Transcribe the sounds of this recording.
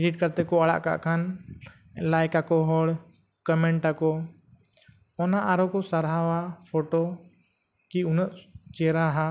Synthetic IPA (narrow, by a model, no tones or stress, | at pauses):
ɛɖiʈ̚kəɾt̪ɛkɔaɽa̰ʔka̰ʔkʰan | lajkakɔɦɔɽ | kəmɛɳʈakɔ | ɔnaʔaɾɔkɔsaɾɦawapʰɔʈɔ | kiunəʔt͡ʃɛɾaɦã